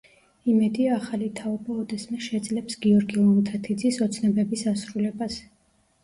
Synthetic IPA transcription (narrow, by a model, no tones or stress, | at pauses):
imɛd̪iaːχalit̪ʰaɔbaɔd̪ɛsmɛʃɛd̪zlɛpsɡiɔɾɡilˠmut̪ʰat̪ʰid̪zisɔt̪sʰnɛbɛbisasɾulɛbas